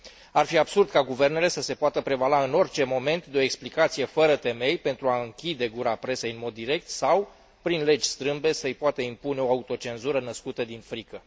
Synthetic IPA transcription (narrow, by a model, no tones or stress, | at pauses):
arfiabsurd̪̚kaɡuve̞rne̞le̞səse̞poat̪əpɾe̞valaɨno̞rʲt͡ʃe̞mo̞me̞nt̪d̪eo̞eksplikat̪sije̞fəɾət̪e̞me̞jpe̞nt̪ɾuaɨŋkʲid̪e̞ɡuɾapɾe̞sejɨnmo̞d̪ːiɾe̞k̚t̪saw | pɾinle̞d͡ʒʲst̪ɾɨmbe̞səɨjpoat̪əimpuneo̞aut̪o̞t͡ʃe̞nzuɾənəskut̪əd̪infɾikə